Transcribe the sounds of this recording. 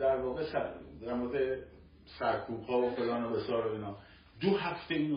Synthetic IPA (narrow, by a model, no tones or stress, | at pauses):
d̪æɾvɒːɣesæd̪æɾmoɾed̪e | sæɾkʰuːbhɒːofelɒːnobesɒːɾoiːnɒː | d̪oɦæft̪einu